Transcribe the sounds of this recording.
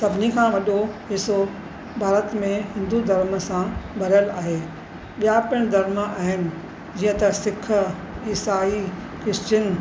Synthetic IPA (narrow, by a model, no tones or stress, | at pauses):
sɐbʱɪnikʰãːʋɐɗoɦɪso | bʱaːɾət̪mẽɦɪ̃nd̪ud̪ʱɐɾməsãbɐɾjəlaːɦeː | ɓijapɪɽ̃d̪ʱɐɾmaːɦɪnɪ̆ | d͡ʑiːə̃t̪ɐsɪkʰə | iːsaːi | kɪst͡ɕən̆